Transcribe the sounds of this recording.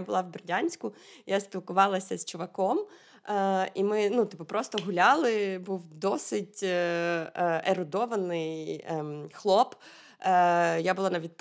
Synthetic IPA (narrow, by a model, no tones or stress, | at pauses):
bʊlˠɑwbʲɪrdʲanʲsʲkʊjaspʲilˠkʊʋɑlˠɐsʲɐz̥t͡ʃʊʋɐkɔm | imɪnut̪ɪpʊpɾɔst̪ɔɦʊlʲalˠɪbuwd̪ɔsɪtʲ | eɾʊd̪ɔʋɐnɪj | xlˠɔp | jabʊlˠanɐʋʲid̪̚p